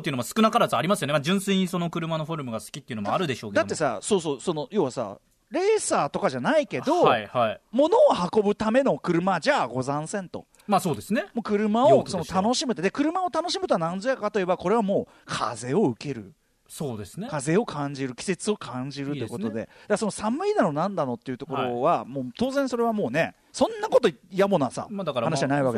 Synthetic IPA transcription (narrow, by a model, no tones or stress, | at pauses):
eɯ̟nomasɨ̥kɯ̟nakaɾazɨaɾʲimasɨijoemad͡ʑɨ̃ɰ̃sẽɲ̟iso̞no̞kɯ̟ɾɯ̟mano̞ɸo̞ɾɯ̟mɯ̟ɡasɨ̥kʲi̥t̪ːeiɯ̟nomoaɾɯ̟d̪e̞ɕoːkded̪at̪ːe̞sa̰so̞ːs̬o̞ːso̞no̞jo̞ːβasa̰ | ɾe̞ːsaːt̪o̞kaʑanaike̞d̪o̞aaimo̞no̞ːhako̞bɯ̟t̪ame̞no̞kɯ̟ɾɯ̟mad͡ʑaːɡo̞zãɰ̃sẽ̞nt̪o̞̰ | maso̞ːd̪e̞sɨnemoːkɯ̟ɾɯ̟maoso̞not̪ano̞ɕimɯ̟t̪d̪ekɯ̟ɾɯ̟mao̞t̪ano̞ɕimɯ̟t̪oanãnzojakat̪o̞je̞bako̞ɾe̞β̞amo̞ː | kʰa̰ze̞o̞ɯ̟ke̞ɾɯ̟̰ | soːd̪esnkaze̞o̞kʰãɲ̟d͡ʑiɾɯ̟kʲi̥se̞t͡sɨo̞kʰãɲ̟d͡ʑiɾɯt̪eko̞t̪o̞d̪e̞̰d̪aso̞nosamɯ̟inanonãnd̪ano̞t̪ːe̞iɯ̟t̪o̞ko̞ɾo̞βamoːt̪o̞ːzẽ̞ɰ̃so̞ɾe̞βamo̞ːne̞ | sõ̞nːako̞t̪ojamonoasa̰aanaɕianaiβake